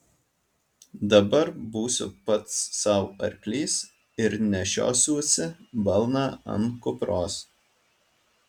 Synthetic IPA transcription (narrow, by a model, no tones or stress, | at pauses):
d̪ɐbɐɾbuːsʲʊ̰pɐt̪sːɐˑʊɐ̰ɾʲklʲiːs | ɪɾnʲɛʃʲo̰ːsʲuːsʲɪbɐlˠnɑːɐ̰nkʊpɾoːs